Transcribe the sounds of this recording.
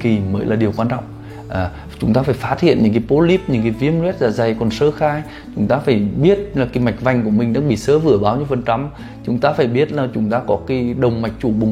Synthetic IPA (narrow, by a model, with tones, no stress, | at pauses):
ki˨˩məː˨˦jlaː˨˩ɗi˨˩əwkwaː˧nt͡ɕɔ̰˧˨wŋ͡m | ʔaː˨˩ | t͡ɕʊ˨˦ŋ͡mt̪aː˧faː˧˩jfaː˦˥t̚hʰḭ˧˨ənɲɨ̰˧˥kaː˨˦jpo˨˦li˦˥p̚ɲɨ̰˧˥ŋkaː˨˦vi˧˦əmlwɛ˦˥t̚zaː˨˩za˨˩jkɔ˨˩nsəː˨˦xaː˧j | t͡ɕʊ˨˦ŋ͡mt̪aː˧faː˧˩jɓi˦˥ət̚laː˨˩ki˨˦ma˨˩jk̟̚va˨˧˩jŋ̟ku˧˩əmï˨˩ŋ̟ɗa̰ː˨˧˥ŋɓḭ˧˨səː˨˦vɨ˧˩əɓaː˨˦wɲɨ˧˦fə˨˩nt͡ɕa˨˦m | t͡ɕʊ˨˦ŋ͡mt̪aː˧faː˧˩jɓi˦˥ət̚laː˨˩t͡ɕʊ˨˦ŋ͡mt̪aː˧˦kɔ˨˦ki˨˦ɗə˨˩wŋ͡mma˨˩jk̚t͡ɕu˧˩ɓʊ˨˩ŋ͡m